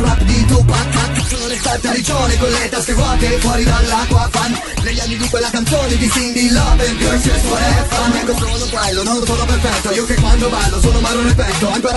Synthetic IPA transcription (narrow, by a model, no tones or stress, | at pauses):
lapd̪it̪ukːak̪ːakːsoːnonelt̪aɾt̪ːaɾit͡ʃoːnekwelːet̪ast̪ekwɔt̪efwɔːɾid̪alːakːwafanː | neʎːanːid̪ikwelːakant̪soːned̪isind̪ilːɔbeld̪josɛsfoɾɛfanɛk̪osonokwɛlːononsoːnoperfɛt̪ːoiːokekːwand̪obalːosoːnomaɾonelpɛt̪ːoaŋkoːɾ